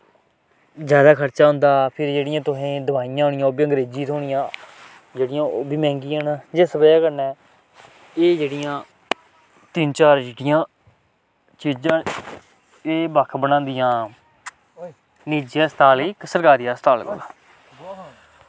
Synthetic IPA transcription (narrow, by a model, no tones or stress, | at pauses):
zjaːd̪aːkʰəɾt͡ʃaːɦʊ̃nd̪aːpʰɪɾd͡ʒeːɽɪjãːt̪ʊɦẽːd̪əbaːijãːɦoːɳɪ̃jãːoːbiːəŋɡɾeːd͡ʒiːt̪oːɳɪjãː | d͡ʒeːɽɪjãːoːbiːmɛ̃ːŋɡiːənad͡ʒeːsəbəjaːkəɾnɛː | eːd͡ʒeːɽɪjãː | t̪ɪnt͡ʃaːɾd͡ʒiːɖɪjãː | t͡ʃiːd͡ʒãː | eːbəkʰbənãːnd̪ɪjãː | niːd͡ʒjaːst̪ʰaːliːksəɾkaːɾɪjaːst̪ʰaːlba̰laː